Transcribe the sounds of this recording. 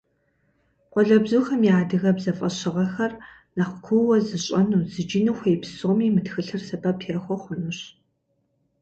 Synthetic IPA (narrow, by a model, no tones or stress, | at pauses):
qʷɔɮɐbzuːxɐmjaːdɨɣɐbzɐfʼɐɕɪʁɐxɐr | nɐχʷkʷʰuwɐzɨɕʼɐnuːzɨd͡ʒinuxʷejpʰsoːmiːmɨtxɨɬɨrsɐpɐpʰexʷɔχʷʊnɨɕ